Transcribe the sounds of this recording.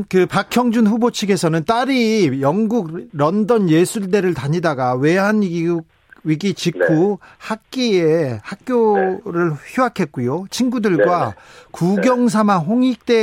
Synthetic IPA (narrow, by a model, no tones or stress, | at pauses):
kɯpakʰjʌŋd͡ʑunɸubot͡ɕʰiɡe̞sʰʌnɯnt͈aɾijʌŋɡuɡɾʌndʌnje̞sʰuɭde̞ɾɯɭtaɲidaɡawe̞ɦan | ɥiɡit͡ɕikʰuhak̚k͈iehak̚k͈joɾɯɭçuakʰe̞t̚k͈ujot͡ɕʰinɡudɯɭɡwakuɡjʌŋs̬ʰamanɦoŋik̚t͈e̞